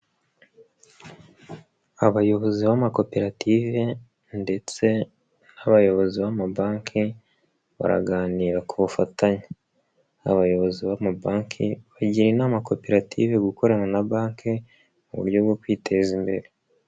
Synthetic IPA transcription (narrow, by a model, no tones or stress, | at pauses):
aβajo̞βo̞ziβamako̞pe̞ɾative̞ | nde̞t͡se̞ | naβajo̞βo̞ziβamabaːŋkʰi | βa̰ɾa̰ɡaːniːɾakuβufataɲe | aβajo̞βo̞ziβamabaːŋkʰḭβaɟiɾinaːmako̞pe̞ɾatʰiːve̞ɡuko̞ɾaɲanabaːŋkʰi | muβṵɾɟo̞bɡo̞kwiːtʰe̞zimbe̞̰ɾe